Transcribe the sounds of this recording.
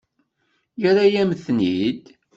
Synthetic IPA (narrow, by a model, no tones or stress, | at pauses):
jəɾajæmθnid̪